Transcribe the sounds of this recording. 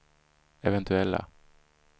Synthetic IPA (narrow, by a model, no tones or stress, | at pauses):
ɛvɛnt̪ʰʉɛlːa̰